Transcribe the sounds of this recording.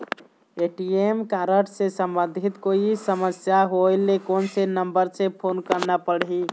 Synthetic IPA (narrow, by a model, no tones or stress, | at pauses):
eʈiemkaɾəʈsẽsəmbənd̪ʱit̪koisəməsjaɦojlekonsenəmbəɾsepʰonkəɾnapəɽɦi